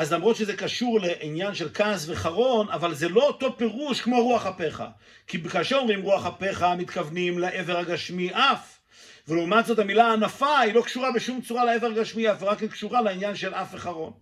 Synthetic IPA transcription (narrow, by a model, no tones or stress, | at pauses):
azlamʁot̪ʃezekaʃuʁleʔinjanʃe̞lkasve̞χaʁo̞navalzelo̞oto̞pe̞ʁuʃkmo̞ʁuaχape̞χa̰ | kibekaːʃeʁo̞mʁimʁuaχape̞χamit̪kavnimlaʔe̞veʁhaɡaʃmiʔaf | veleumat̪zo̞thamilaːnafailo̞kʃuʁabeʃumt͡suʁaleeveʁaɡaʃmiafveʁakikʃuʁaleinjanʃelʔafveχaʁo̞n